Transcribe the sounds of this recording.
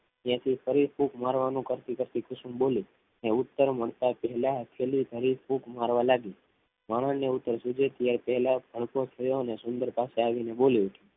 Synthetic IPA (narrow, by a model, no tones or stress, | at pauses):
jãt̪ʰifəɾifukmaɾʋanũkəɾt̪ikəɾt̪ikʊsũmboli | neʊt̪ːəɾməɭt̪apɛɦɛlakʰelid̪ʱəɾifukmaɾʋalaɡi | maɭ̃əneʊt̪ːəɾsud͡ʒet̪ijaɾpɛɦɛlabʱəɭkot͡ʃʰəjonesʊnd̪əɾpaseaʋineboliut̪ʰũ